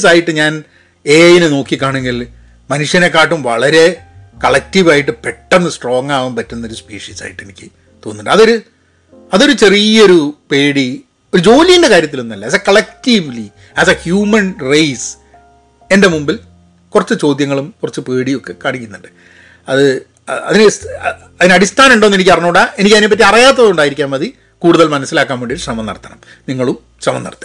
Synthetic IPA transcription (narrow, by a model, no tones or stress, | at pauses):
saːjiʈːɨɲaːn | eːjinɨno̞ːkːikʲːaːɳeŋɡil | mɐnuʂjɐnekːaːʈːumʋɐɭɐɾe̞kɐɭɐk̚tiʋaːjiʈ̬ːɨpeʈːɐnːɨsʈro̞ːŋːaːʋumpɐtːunːɐo̞ɾuspiːʂiːsa̰ːjiʈːe̞nikʲːɨ | t̪o̞ːnːuɳɖɨɐðo̞ɾu | ɐðo̞ɾut͡ɕe̞rijɐo̞ɾupe̞ːɽi | o̞ɾud͡ʑo̞ːlijinde̞kaːɾjɐt̪ːilo̞nːɐlːɐɐksekɐɭek̚tiʋli | æsɐhjuːmɐnrejs | e̞nde̞mumbil | kurɐt͡ɕːɨt͡ɕo̞ːd̪jɐŋːɐɭumkurɐt͡ɕːɨpeːɽio̞kːe̞kaːɳikʲːunːuɳɖɨ̥ | ɐðɨ | ɐ̰ðinɨs | ɐðinɨɐɽist̪ʰaːnɐmuɳɖoːnːenikʲːɐrɐɲːuːɽae̞nikʲːɐðinepːɐt̬ːiɐrɐjaːt̪̬ːɐðuɳɖaːjiɾik̬ʲːaːmɐði | kuːɽuðɐlmɐnɐsːilaːkːaːmeɳɖioɾuʂrɐmɐnːɐ̰rt̪ʰɐnɐm | niŋːɐɭum | sɐmɐ̰nːɐ̰rɐt̪ːɨ̥